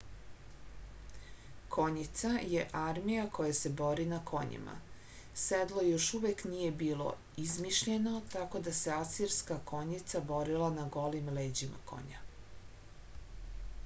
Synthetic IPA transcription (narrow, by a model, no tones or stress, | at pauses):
kʰo̞ɲit̪sajeʔaɾmijakʰo̞jase̞bo̞ɾinakʰo̞ɲḭma̰ | sed̪lˠojo̞ʃuʋeknije̞biːlˠo̞̰ | izmiʃʎe̞no̞t̪ako̞d̪ase̞asiɾskakʰo̞ɲit̪sabo̞ɾilanaɡo̞limleːd͡ʑima̰ko̞̰ɲa